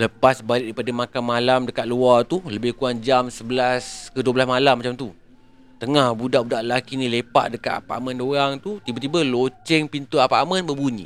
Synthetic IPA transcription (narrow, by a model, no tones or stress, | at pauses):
ləpasbalɪʔ̚dəipadamakanmalamdəkat̪̚luat̪uləbɪhkuand͡ʒamsəbəlaskəduəbəlasmalamːat͡ʃamt̪u | t̪əŋahbudaʔbudaʔəlakinĩlepa̰ʔdəka̰t̪a̰pa̰ʔmə̃ndoɾaŋt̪ut̪ibət̪ibəlot͡ʃɛŋpint̪uapa̰ʔmə̃nbəbuɲḭ̃